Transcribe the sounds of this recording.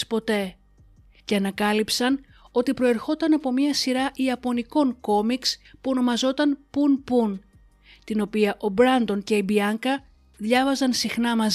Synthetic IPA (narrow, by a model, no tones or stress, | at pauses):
spo̞t̪e̞ | ce̞ɐnɐkɐlipsɐn | o̞t̪ipɾo̞e̞ɾxo̞t̪ɐnɐpo̞mɲɐsiɾɐʔiɐpo̞niko̞ŋko̞mikspuo̞no̞mɐzo̞t̪ɐnpunpun | t̪ino̞piɐʔo̞bɾɐnd̪o̞nce̞ibiɐŋkɐ | ðʝɐvɐzɐnsixnɐmɐz